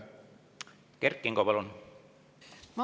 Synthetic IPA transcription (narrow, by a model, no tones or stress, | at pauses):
kerkːˑiŋɡopɑlon | m